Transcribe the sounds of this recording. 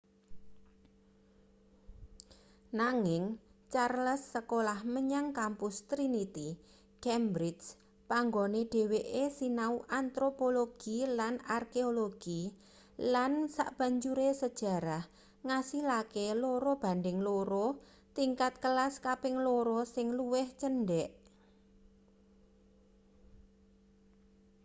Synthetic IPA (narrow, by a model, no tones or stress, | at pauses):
naŋɪŋt͡ʃarləsːəkolahməɲaŋkampʊst̪ɾinit̪i | kɛmbɾɪs | paŋɡoneɖ̥e̤weʔesinauʔant̪ɾopoloɡ̥ilanarkeoloɡ̥i | lansa̰ʔb̥ä̤ɲt͡ʃuɾesəd̥ʒ̥a̤ɾah | ŋasilakeloɾob̥a̤ndɪŋloɾɔ | t̪iŋkat̪̚kəlaskapɪŋloɾɔsɪŋluwɪht͡ʃənɖɛʔ